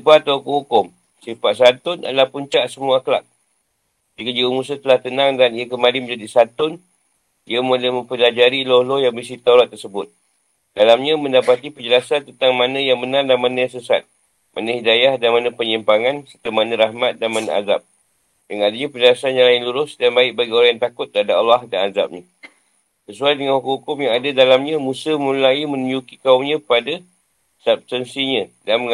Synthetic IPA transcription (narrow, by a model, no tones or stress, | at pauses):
sipat̪aukəhukʊm | sifaʔsant̪ʊna̰lahpuɲt͡ʃaʔsəmuakla̰k̪̚ | d͡ʒikad͡ʒiumus̬ət̪əlaht̪ənaŋdaniakəmalɪməɲd͡ʒadisat̪ʊn | iamolamə̃mpəlad͡ʒaɾilolojaŋbisit̪auɾat̪ːərsəbʊt̪̚ | dalamɲãmə̃ndapat̪ipəd͡ʒəlasant̪ənt̪aŋmanə̃jaŋbənardamanãjaŋsəsa̰t̪̚ | mʔanə̃hidajahdanmanə̃pəɲimpaŋansərt̪əmanə̃ɾahmat̪̚danmana̰a̰za̰p̚ | daŋadaɲãpəd͡ʒəlasanjaŋlaɪnluɾʊsdanbaɪk̚baɡioɾaŋjaŋt̪akʊt̪̚d̪əadapalːɑhdanaza̰p̚ɲã | səsuajdəŋanhukhukʊmjaŋadadalamɲãmũsəmũlaimə̃nũjukikaumɲãpada | sab̚st̪ənsiɲãdanməŋ